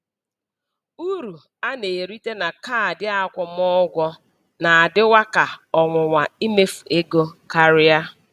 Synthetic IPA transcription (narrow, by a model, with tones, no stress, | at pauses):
u˦ɾu˨ | a˦ne˨ɾi˦te˦na˨ka˦a˨dɪ˦a˦kʷɔ˨m˦ɔ˦ɡʷɔ˦ | na˨a˨dɪ˦wa˦ka˨ɔ˨ŋʷʊ˨ŋʷa˨i˦me˦fu˨e˦ɡo˦ka˨ɾɪ˦a˦